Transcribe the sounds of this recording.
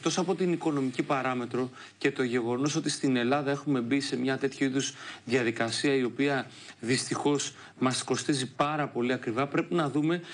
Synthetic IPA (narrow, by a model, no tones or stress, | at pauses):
t̪o̞sɐpo̞t̪iniko̞no̞micipɐɾɐme̞t̪ɾo̞ | ce̞t̪o̞ʝe̞ɣo̞no̞s̬o̞t̪ist̪ine̞lɐðɐe̞xume̞bise̞mɲɐt̪e̞t̪çuiðuzðiɐðikɐsiɐio̞piɐ | ðist̪ixo̞s | mɐsko̞st̪izipɐɾɐpo̞liɐkɾivɐpɾe̞pinɐðume̞